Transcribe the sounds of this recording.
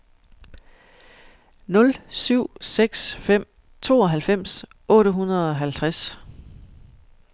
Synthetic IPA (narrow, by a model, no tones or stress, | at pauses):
nɔ̽lsyʊ̰seɡ̥sfem̰ | t͡sʰo̝̰ːɒ̽ɦælfem̰s | ʔɔ̽ːɾəɦunɐðˠɒ̽ɦælt͡sʰʁas